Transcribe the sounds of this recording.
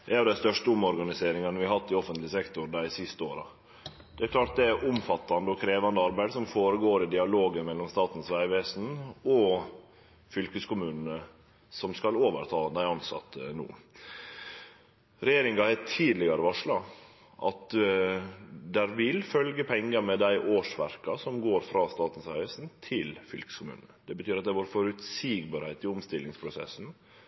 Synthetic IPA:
d̪ɛæjʊd̪æɪst̪œʂʈəʊmɔɾɡɑnɪseːɾɪŋɑnəʋɪɑɾhɑt̪ːɪɔfənt̪lɪsɛkt̪ʊɾd̪æɪsɪst̪əoːɾɑ̰ | d̪̥ɛæɾkʰlɑːʈ̚d̪ɛæɾʔʊmfɑt̪ːɑnd̪əɔkʰɾeːʋɑnd̪əɑɾbæɪd̪sɔmfoːɾəɡoːɾɪd̪ɪɑloːɡəmɛlːɔmst̪ɑːt̪n̩sʋæɪʋeːsn̩ɔ | fʏlkəskʰʊmʉːnən̩ə | sɔmskɑloːʋə̰ɾt̪ʰɑːd̪æɪɑnsɑ̰t̪ːnṵː | ɾɛjeːɾɪŋɑhɛt̪ʰiːd̪lɪɡɑɾəʋɑʂlɑ | ʔɑ̰t̪ | d̪æɾʋɪlfœlɡəpʰɛŋːəɾmɛd̪æɪʔoːʂʋæ̰ɾkɑsɔmɡoːɾfɾɑːst̪ɑːt̪n̩sʋæʋeːsn̩t̪ʰɪlfʏlkə̥skʊmʉ̰ːnnəd̪ɛbət̪ʰyːɾɑt̪̚d̪ɛʋoːɾfɔɾʉt̪siːɡbɑːɾhæɪt̪ɪʊmst̪ɪlɪŋspʰɾʊsɛ̰sn̩

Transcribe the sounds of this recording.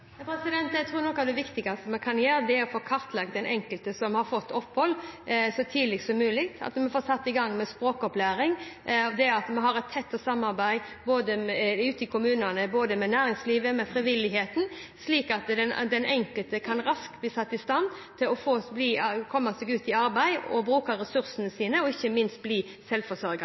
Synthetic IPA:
pʰɾɛsɪd̪ɛnt̪jæɪt̪ʰɾuːɾnɔkːɑd̪ɛʋɪkt̪ɪɡɑst̪əmɛkʰɑnjøːɾd̪ɛæɾɔfoːkʰɑɾt̪lɑɡ̪̚d̪ɛnʔɛŋkəlt̪əsɔmhɑɾfɔt̪ːɔpːhɔlːsɔt̪ʰiːd̪lɪɡsɔmːʉːlɪkt̪ʰɑ̰t̪mɛnfoːsɑt̪ːɪɡɑŋːmɛspɾoːkɔplæːɾɪŋɑʋd̪ɛɑt̪mɛnɦɑɾɛt̪ʰːɛt̪ːɔsɑmːɑɾbæɪboːd̪əʉːt̪ɪkʰʊmʉːnənəboːd̪əmɛnæːɾɪŋsliːʋəmɛfɾɪʋɪlːɪɦeːt̪n̩sliːkɑt̪d̪ɛnd̪ɛnʔɛŋkəlt̪əkʰɑnɾɑsk̚t̪̚bliːsɑt̪ːɪst̪ɑnt̪ʰɪlɔfoːbliːkʰɔmːɑsɛɡʉːt̪ɪɑɾbæɪɔ̰bɾʉːkəɾːɛsʉɾsənəsiːnəɔɪçːəmɪnst̪̚bliː | sɛlʋfɔsɔɾɡɑ

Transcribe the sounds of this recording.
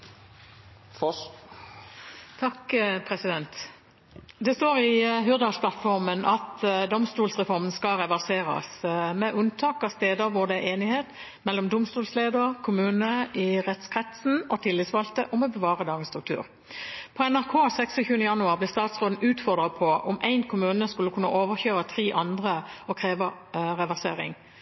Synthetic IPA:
t̪ʰɑkpʰʁɛsɪd̪ɛnt̪ | d̪ɛst̪oːʁɪɦʏʁd̪ɑspʰlɑt̪fɔɾʁmənʔɑt̪d̪ɔmst̪uːlsʁɛfɔʁmən̩skɑʁɛʋæʁseːʁɑ̰smɛʔʉnt̪ʰɑːkɑst̪eːd̪əɾʋʊʁd̪ɛʔeːnɪheːt̪ | mɛlːɔmd̪ʊmst̪uːlsleːd̪əʁkʰʊmʉːnəɪʁɛt̪skʰʁɛt̪sn̩ɔt̪ʰɪlːɪt̪sʋɑlt̪əʔɔmɛbəʋɑːʁəd̪ɑːɡənst̪ʁʉk̚t̪ʰʉ̰ːɾ | pʰɔɛnæʁkʰoːsɛksɔçʉːənəjɑnʉɑːʁblɪʁst̪ɑːt̪sʁoːd̪n̩ʉːt̪fɔʁd̪ʁɑpʰɔʔɔmʔæɪnkʰʊmʉːnəskʉlːəkʉnːə̰ʔoːʋəʁçøːʁət̪ʰʁiːʔɑnd̪ʁəɔkʰʁeːʋɑ | ʁɛʋæʁsḛːʁɪ̰ŋ

